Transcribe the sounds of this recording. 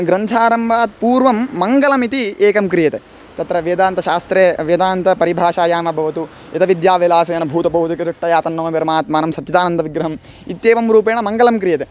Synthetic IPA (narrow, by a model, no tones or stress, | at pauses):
ɡɾɐnt̪ʰaːɾɐmbʱaːt̪̚puːɾʋɐmːɐŋɡɐlɐmit̪ieːkɐmkɾijɐt̪e | t̪ɐt̪ɾɐʋeːd̪aːnt̪ɐʃaːst̪ɾeːʋed̪aːnt̪ɐpɐɾibʱaːʃaːjaːmɐbʱɐʋɐt̪u | ɐt̪ɐʋid̪jaːʋelaːsɐjɐnɐbʱuːt̪ɐbʱɐɦut̪ukiɾiʂʈːɐjaːt̪ɐnːɐːɐpɐɾɐmaːt̪maːnɐmsɐt͡ʃit̪aːnɐnd̪ʱɐʋiɡɾɐɦɐm | it̪eːʋɐmɾuːpeːɳɐmɐŋɡɐlɐmkɾijɐt̪e